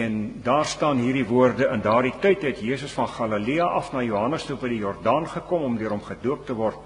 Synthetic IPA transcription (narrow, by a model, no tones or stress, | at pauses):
ɛndɑːrstɑːnɦiːrdivuərdəʔəndɑːrditœjtɦɛtjiəsəsfɐnχɑləliɐʔɐfnɑːjuːɦɐnəstubəjdijɔrdɑːnχəkɔmɔmdøəɾɔmχəduəp̚təvɔrt̚